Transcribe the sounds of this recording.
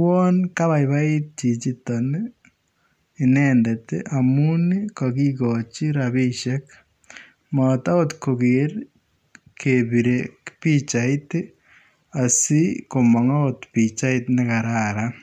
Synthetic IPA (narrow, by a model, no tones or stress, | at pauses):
wɔnkaβaiβait̪̚t͡ʃit͡ʃitɔne | inɛːndɛt̪ḛʔamunikɔkikɔt͡ʃiɾaβiʃek | mɔt̪aot̪kokeɾ | kʰeβiɾekpit͡ʃait̪e | asikomɔŋaot̪pit͡ʃait̪nekaɾaːɾa